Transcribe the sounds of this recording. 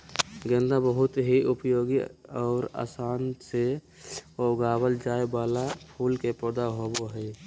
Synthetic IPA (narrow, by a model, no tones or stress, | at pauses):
ɡə̃nd̪abəɦʊt̪ɦiʊpəjoːɡiɔːɾa̰ːsaːnse | oɡaːbəld͡ʒaːebaːlapʰuːlkepəd̪aɦoboɦəi